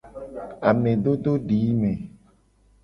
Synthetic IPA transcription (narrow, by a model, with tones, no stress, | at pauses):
a˨mẽ˨ɖo˦ɖo˦ɖi˨˦me˨